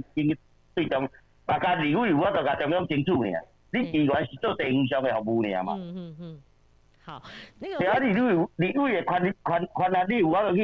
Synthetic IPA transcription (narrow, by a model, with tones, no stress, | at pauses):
ki˧ŋ˧ | t̪wi˧˨t̪jɔ˧ŋ | ba˨˩ka˧li˨wui˦˧˨u˧˦wa˦t̪o˧˩ka˧t̪jɔ˧ŋ˦ɔ˦ŋt͡ɕi˧ŋt͡sʰu˥˧˨nḭ̃˨a̰˨ | li˦ki˨kwa˨˦nɕi˨˩t͡so˥˨t̪e˨ŋ̩˧ɕ̬jɔ˧ŋe˧hɔ˨k̚bu˧nḭ̃˨a̰˨mã̰˨ | e˨a˦li˨li˦i˨˧li˨˩wu˥˨e˨kʰwa˧ni˦kʰwa˧nkʰwa˧na˧nli˦˨u˨˧wa˦t̪o˧˦ki˦˧˨